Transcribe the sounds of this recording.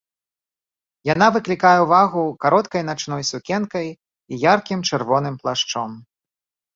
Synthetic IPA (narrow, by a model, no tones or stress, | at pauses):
jan̪avɨklʲikajɛwvaɣukaɾɔt̪kɐjn̪at͡ʂn̪ɔjsukʲɛnkɐj | ijarkʲimt͡ʂɛrvɔnɨmplˠaʂt͡ʂɔm